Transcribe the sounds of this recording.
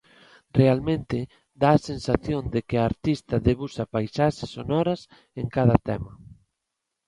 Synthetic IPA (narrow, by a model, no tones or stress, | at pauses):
realmẽnt̪ɪ | d̪aːsensaθjond̪ekɪaːɾt̪ist̪ɐðeβusɐpajsaʃɪsːonɔɾɐs | eŋkaðɐt̪ɛmɐ